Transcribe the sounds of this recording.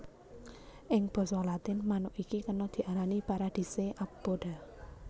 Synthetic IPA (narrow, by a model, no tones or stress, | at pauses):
ʔɪŋb̥ɔ̤sɔlat̪ɪnmanʊʔikikənɔd̪̥i̤ʔaɾanipaɾad̪̥i̤seʔapb̥oɖ̥a̤